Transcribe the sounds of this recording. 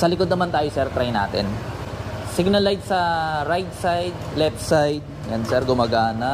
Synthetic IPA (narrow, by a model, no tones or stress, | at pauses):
sɐlɪkod̪nɐmant̪aːjosɛɾt̪ɾajna̰ːt̪ɛ̰n | sɪɡ̚nɐlajdsɐɾajd̪̚sajd̪̚lɛp̚sajd̪̚jɐnsɛɾɡʊmaɡaːnɐ